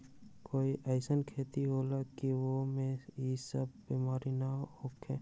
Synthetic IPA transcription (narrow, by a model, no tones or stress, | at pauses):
koːiʔəɪsənkʰeːt̪iɦoːlakiʋomẽisəb̚biːmaːɾinaoːkʰẽː